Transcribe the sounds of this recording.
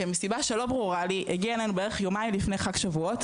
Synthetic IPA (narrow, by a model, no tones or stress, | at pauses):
emisibaʃe̞lo̞bʁuʁaliʔeɡialanubeeʁeχjo̞maimlifne̞jχakʃavuot